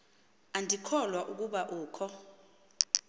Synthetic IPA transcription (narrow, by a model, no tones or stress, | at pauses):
andʱikʰɔlwaʔuk̬uɓaʔuːkʰɔ